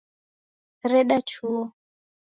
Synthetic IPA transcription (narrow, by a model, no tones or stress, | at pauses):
ɾɛɗat͡ʃʰuɔ